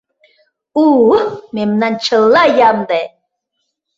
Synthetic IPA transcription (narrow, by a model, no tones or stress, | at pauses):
umemnant͡ʃʰəlˠːɑjamd̪e